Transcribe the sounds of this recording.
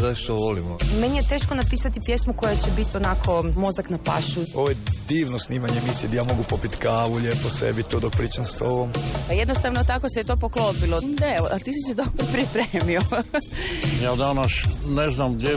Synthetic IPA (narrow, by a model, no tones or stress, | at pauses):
zaiʃt̪oʋolimome̞nijet̪e̞ːʃkonapiːsat̪ipjesmuko̞jet͡ɕebit̪ionakʰo̞mo̞zaknapa̰ʃuoʋojed̪iːʋnosniːmaɲemisid̪ajaːmo̞ɡupopit̪kaːʋuʎeposḛbit̪uːd̪opɾiːt͡ʃanst̪oʋompajed̪nost̪aʋnot̪akoset̪oːpoklopilod̪aeoat̪iːsisid̪opopɾipɾeːmio | jaːd̪anaʃneznamɡd̪je